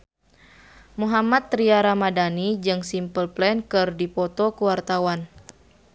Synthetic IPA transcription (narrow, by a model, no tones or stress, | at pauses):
muɦamat̪ːɾiaɾamadanid͡ʒɨŋsimpəlplɛnkɨrdipɔt̪ɔkuwart̪awan